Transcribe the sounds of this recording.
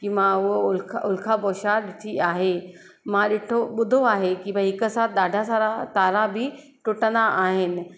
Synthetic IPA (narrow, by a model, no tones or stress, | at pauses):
kimãʊɦoʊlkʰʊlkʰapɔːʃaɗɪt̪ʰiaːɦe | mãɗɪʈʰoɓʊd̪ʱoaːɦekibəɦɪkəsaːt̪ʰɗ̪aːɖʱasaɾat̪aːɾabʱi | ʈʊʈənd̪aʔaːɦɪnɪ̆